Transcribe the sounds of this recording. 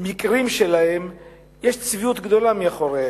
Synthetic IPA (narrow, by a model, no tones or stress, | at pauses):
mikʁimʃelahem | jeʃt͡sviut̪ɡd̪o̞lamiaχo̞ʁe